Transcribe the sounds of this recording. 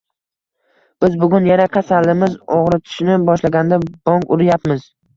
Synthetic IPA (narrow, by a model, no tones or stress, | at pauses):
b̥ɪzbʊɡʲʊnjanaqʰasalːɪmɪzoʁɾɪt̪ʰɪ̥ʃnɪbɒʃlaɡʲand̪ab̥ɒŋkʊɾɪjapmɪz